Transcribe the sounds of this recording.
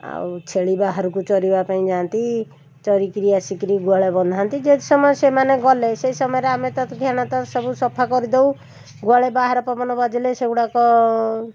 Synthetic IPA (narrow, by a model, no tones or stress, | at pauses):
a̰wt͡ʃʰeɭibaɦaɾkut͡ʃɔɾibapaĩd͡ʒant̪i | t͡ʃɔɾikɾijasikɾiɡwaɭebɔnd̪ʱant̪id͡ʒet̪isɔmɔesemaneɡɔleseisɔmɔjeɾeamet̪ɔt̪ʰɡʱjañat̪ɔsɔbusɔpʰakɔɾid̪ow | ɡwaɭebaɦaɾɔpɔmɔnɔbad͡ʒileseɡuɽakɔ